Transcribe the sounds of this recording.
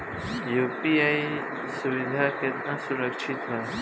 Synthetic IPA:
jupiai | suwid̪ʱaket̪nãsuɾəkʃʰit̪ɦa

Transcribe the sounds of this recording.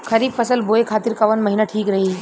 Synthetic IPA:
kʰɐɾiːbfʰɐsəlboːekʰaːt̪iɾkɐʋənmɐɦinaʈʰiːkɾɐɦi

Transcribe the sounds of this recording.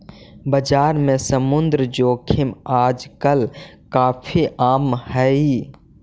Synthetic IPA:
bəd͡ʒaːɾmẽsəmʊnd̪ɾəd͡ʒoːkʰɪmaːd͡ʒkəlkaːpʰiʔaːmhɛi

